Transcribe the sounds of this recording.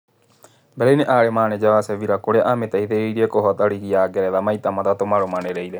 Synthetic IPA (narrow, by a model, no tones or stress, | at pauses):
bɛɾɛineʔaːɾemaːned͡ʒaʋasɛʋiɾakoɽeaʔamet̪aiðeiɾiekoɦɔt̪aɾiɣiaːɡɛɾɛðamait̪amat̪at̪omaɾomaneɾeilɛ